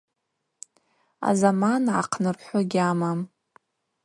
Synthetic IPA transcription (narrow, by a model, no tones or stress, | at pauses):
a̰zamanʕa̰qʰnɨrħʷaɡʲamam